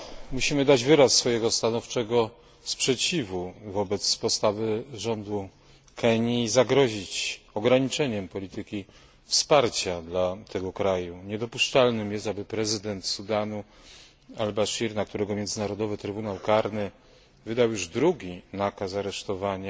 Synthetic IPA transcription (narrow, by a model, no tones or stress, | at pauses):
muɕimɘd̪ad͡ʑvɘɾasːfɔjɛɡɔst̪anɔft͡ʂɛɡɔ | spʂɛt͡ɕivuvɔbɛt̪spɔst̪avɘʐɔnd̪u | kʰɛɲiːzaɡɾɔʑit͡ɕɔɡɾaɲit͡ʂɛɲɛmpɔlʲit̪ɘkʲi | fspaɾt͡ɕad̪lat̪ʰɛɡɔkɾajuɲɛd̪ɔpuʂt͡ʂalnɘmjɛst̪abɘpɾɛzɘd̪ɛnt̪sud̪anu | albaʂiɾnak̚t̪uɾɛɡɔmʲjɛnzɘnaɾɔd̪ɔvɘt̪ɾɘbunawkaɾnɘ | vɘd̪awjuʐd̪ɾuɡʲinakas̬aɾɛʂt̪ɔvaɲa